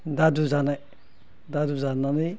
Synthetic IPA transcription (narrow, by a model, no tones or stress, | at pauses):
daduzana | d̪aduzanani